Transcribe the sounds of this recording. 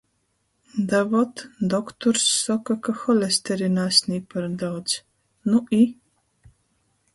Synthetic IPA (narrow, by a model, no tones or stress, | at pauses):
d̪avɔt̪d̪ɔkt̪ɔɾsːɔkakaxɔlʲest̪ɛɾinasʲniːpaɾd̪aw̪z̥ | nui